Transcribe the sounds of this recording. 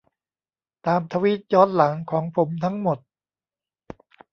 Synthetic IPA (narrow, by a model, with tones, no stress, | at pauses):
t̪aː˧mt̪ʰa˧wi˦˥˩t̪̚jɔː˦˥n̚la˩˦ŋkʰɔː˩˦ŋpʰo˩˦mt̪ʰa˦˥ŋmo˨˩t̪̚